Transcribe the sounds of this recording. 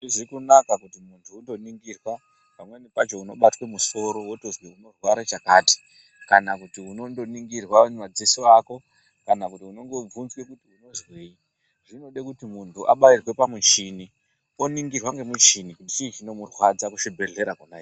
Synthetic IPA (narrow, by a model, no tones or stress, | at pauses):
ʐizikunakakutimuntʰuundo̞niŋɡirwa | pamwe̞nipat͡ʃo̞uno̞ɓatwe̞muso̞ɾo̞wotozweuno̞rwaɾat͡ʃakaːti̥ | kanakutiuno̞ndo̞niŋɡirwamad͡zisoako̞ | kanakutiuno̞ŋɡo̞b͡vunzwe̞kutiuno̞zweːi | ʐino̞ɗekutimuntʰuʔa̰ɓairwe̞pamut͡ʃini | o̞niŋɡirwaŋɡe̞mut͡ʃinikutit͡ʃiːt͡ʃino̞murwad͡zakuʃibʱe̞ɮe̞ɾakonai